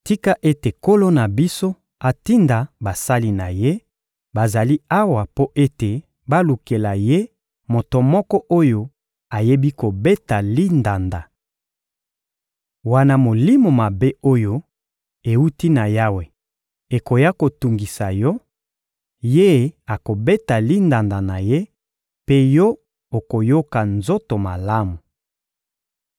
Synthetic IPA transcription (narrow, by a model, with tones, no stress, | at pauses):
ti˦ka˦ʔe˦te˨ko˦lo˦na˨bi˦so˦ | a˨ti˦nda˨ba˨sa˦li˦na˨je˦ | ba˨za˨li˦a˦wa˨po˦ʔe˦te˨ | ba˦lu˨ke˨la˨je˦ | mo˨to˨mɔ˦kɔ˦ʔo˦jo˦ | a˨je˦bi˦ko˨be˦ta˨li˦nda˨nda˨ | wa˦na˦mo˨li˦mo˨ma˨be˦o˦jo˦ | e˨u˦ti˦na˨ja˦we˨ | e˨ko˨ja˦ko˨tu˨ŋɡi˨sa˨jɔ˦ | je˦˨a˨ko˨be˦ta˨li˦nda˨nda˨na˨je˦ | pe˦jɔ˦ | o˨ko˨jo˦ka˨nzo˦to˨ma˨la˦mu˨